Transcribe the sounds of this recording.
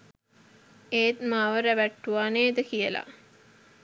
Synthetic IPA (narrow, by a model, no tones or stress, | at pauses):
eːt̪maʋəɾæʋæʈːuʋaːneːd̪əkijəla̰